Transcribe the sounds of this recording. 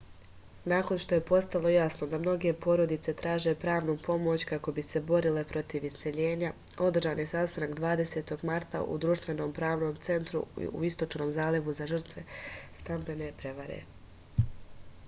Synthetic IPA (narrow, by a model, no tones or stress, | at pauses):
naːko̞nʃt̪o̞je̞po̞st̪alˠo̞jasno̞d̪amno̞ɡe̞po̞ɾo̞d̪it̪se̞t̪ɾaːʒe̞pɾaːʋnupʰo̞mo̞t͡ɕkako̞bise̞bo̞ɾile̞pɾo̞t̪iʋist̪e̞ʎe̞ːɲa | o̞d̪r̩ʒaːnjesast̪anakd̪ʋaːd̪e̞se̞ːt̪o̞ɡmaɾt̪a̰ʔṵd̪ɾuːʃt̪ʋe̞no̞ːmpɾaːʋno̞ːmt̪se̞nt̪ɾṵṵist̪o̞t͡ʃno̞ːmzaːleʋuzaʒr̩t̪ʋe̞st̪ambe̞ne̞pɾe̞ʋaɾḛ